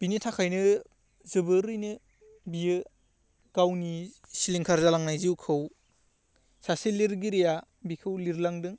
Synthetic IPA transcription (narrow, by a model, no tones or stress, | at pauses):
b̥initʰakʰajnɯ | zɯbɯɾɯjnɯ | bijɯ | ɡ̥awni | siliŋkʰaɾzalaŋnajziwkʰɯw | sasiliɾɡiɾija | bikʰɯwliɾlaŋdɯŋ